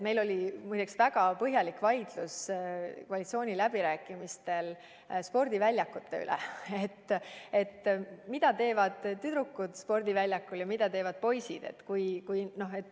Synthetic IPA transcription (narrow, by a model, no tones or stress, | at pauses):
me̞jlo̞lʲimujt̪eksvæɡ̥ɑpɤɦjɑlikvɑjd̪̥luskkoɑlit̪sio̞ːnʲilæb̥iɾæːkːˑimist̪e̞l | spo̞rd̪̥ivælʲjɑkːut̪ːe̞y̰lʔɛ̰et̪ːe̞t̪ːmid̪ɑt̪e̞ːvɑd̪̥t̪ːyd̪ɾukːud̪̥spo̞rd̪̥ivælʲjɑkːuljɑmid̪̥ɑt̪e̞ːvɑd̪̥̚po̞jsid̪̥e̞̰t̪ːkujkujno̞he̞t̪ː